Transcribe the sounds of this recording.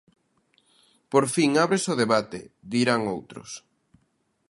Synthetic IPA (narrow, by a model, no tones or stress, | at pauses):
poɾfiŋaβɾesʊðeβat̪ḛd̪iɾaŋowt̪ɾʊ̰s